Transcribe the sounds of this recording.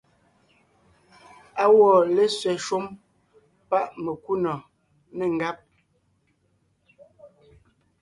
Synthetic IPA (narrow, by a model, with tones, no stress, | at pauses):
a˦wɔ˨le˦sɥɛ˨ʃwo˦m | pa˦ʔme˨ku˦nɔ˨ | nɛ˨ŋ̩˨ɡa˦p̚